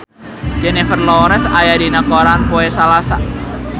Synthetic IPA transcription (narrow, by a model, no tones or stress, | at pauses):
d͡ʒ̥ɛnɛfərlɔɾɛsajadinakɔɾanpoɛsalasa